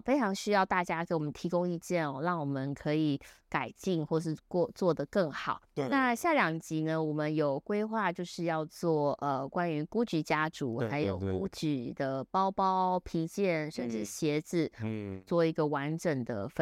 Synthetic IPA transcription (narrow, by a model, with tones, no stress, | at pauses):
fe˥ɪʈ͡ʂʰɑ˧˥ŋɕy˥jɑ˥˧ʊt̪a˥˩t͡ɕja˥kə˥nwɔ˨˩mə˦nt̪ʰi˧˥kʊ˥ŋi˥˧t͡ɕjɛ˥˩nɔ˨˩ɻɑ˥˩ŋwɔ˨˩mə˨˦nkʰɤ˧˥i˨˩ka˨˩ɪt͡ɕi˥˧ŋxwɔ˥˧ʂ̬ɻ̩˥˧kwɔ˥˧t͡swɔ˥˩d̪ə˩kə˥˩ŋxɑ˨˩˦ʊna˥˧ɕja˥˩ljɑ˨˩ŋt͡ɕi˧˥nə˧wɔ˨˩mə˨˦njo˨˩ʊkwe˥ɪxwa˥˧t͡ɕjo˥˧ʊʂɻ̩˥˧jɑ˥˧ʊt͡swɔ˥˩ə˨˩kwa˥ny˧˥ku˥t͡ɕy˧˥t͡ɕja˥ʈ͡ʂu˨˥˦xa˧˥ɪjo˨˩ʊku˥t͡ɕy˨˩d̪ə˩pɑ˥ʊpɑ˥ʊpʰi˧˥t͡ɕjɛ˥˩nʂə˥˧nʈ͡ʂɻ̩˥˩ɕjɛ˧˥t͡sɻ̩˥˩t͡swɔ˥˩i˧˥ɡə˧wa˧˦˥nʈ͡ʂə˨˩ŋd̪ə˩f